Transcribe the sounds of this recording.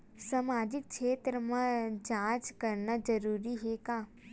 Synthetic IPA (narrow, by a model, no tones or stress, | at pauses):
samaːd͡ʒɪk̚ʰʃʰeːt̪ɾəmãd͡ʒãːt͡ʃkɐɾnazɐɾuːɾiɦekãː